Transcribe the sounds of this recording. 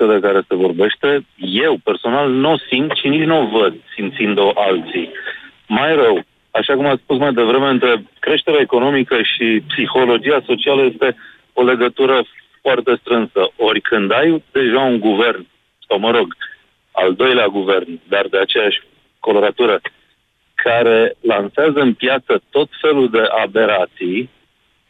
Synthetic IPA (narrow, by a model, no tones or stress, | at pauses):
od̪e̞kaɾe̞se̞vo̞rbe̞ʃt̪e̞je̞wpe̞rso̞nalnusimt̪ʃinit͡ʃʲnovəd̪̚simt̪sind̪o̞ʔalt̪si | majɾəw | aʃakumat̪sspusmajd̪e̞vɾe̞me̞ɨnt̪ɾe̞kɾe̞ʃt̪e̞ɾeaeko̞no̞mikəʃipsixo̞lo̞d͡ʒiaso̞t͡ʃialəje̞st̪e̞ | o̞le̞ɡət̪uɾəfoart̪e̞st̪ɾɨnsəo̞rʲkʰɨnd̪ajd̪e̞ʒauŋɡuve̞rn | sawməɾo̞ɡ | a̰ld̪o̞jleaɡuve̞rnd̪ard̪e̞at͡ʃe̞jaʃʲ | ko̞lo̞ɾat̪uɾə | kʰaɾe̞lanseazəɨnpjat̪sət̪o̞t̪fe̞luld̪e̞ʔabe̞ɾat̪sij